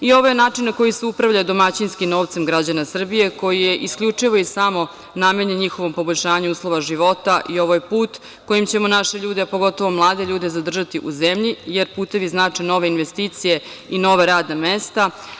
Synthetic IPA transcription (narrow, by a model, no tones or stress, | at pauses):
io̞ʋo̞je̞naːt͡ʂinːako̞jiseupɾaʋʎajd̪o̞mat͡ɕinskimno̞ːʋt̪se̞mɡɾad͡ʑanasr̩bije̞ko̞jije̞ʔiskʎʲut͡ʂiʋo̞isamo̞ | name̞ɲeɲixo̞ʋo̞mpo̞boʎʲʃaːɲuuːslˠo̞ʋaʒiʋo̞t̪aʔio̞ʋojepuːt̪ | ko̞jimt͡ɕe̞mo̞naʃeʎuːd̪eapo̞ɡo̞t̪o̞ʋo̞mlˠaːd̪eʎuːd̪ezad̪r̩ʒat̪iʔuzemʎijeɾpuːt̪e̞ʋiznaːt͡ʂeno̞ʋeinʋest̪iːt̪sije̞ | ino̞ʋaɾaːd̪namest̪a